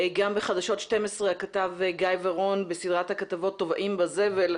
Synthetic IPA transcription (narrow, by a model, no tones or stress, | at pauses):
ɡambeχadaʃo̞tʃte̞mesʁeakatavɡajvaʁo̞nbesid̪ʁathakatavo̞tːo̞vaʔimbazeve̞l